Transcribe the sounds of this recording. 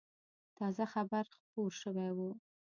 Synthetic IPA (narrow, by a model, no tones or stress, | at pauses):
t̪ɑzaxabaɾxpoɾʃəwajwu